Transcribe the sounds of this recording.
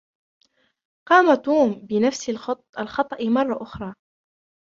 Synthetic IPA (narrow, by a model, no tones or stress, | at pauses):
qɑːmat̪uːmbɪnafsɪl | ʔalxɑt̪ˤɑʔmɑrˤːɑʔʊxɾˤɑː